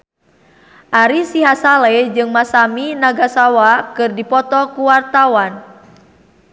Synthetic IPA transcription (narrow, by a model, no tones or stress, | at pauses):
ʔaɾisiɦasalɛd͡ʒɨŋmasaminaɡasawakɨrdipɔt̪ɔkuwart̪awan